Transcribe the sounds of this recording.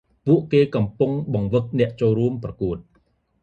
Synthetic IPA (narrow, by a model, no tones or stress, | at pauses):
puəʔkeːkɑmpuŋɓɑŋʋɨk̚nɛ̆əʔt͡ɕoːlruəmprɑkuət̪̚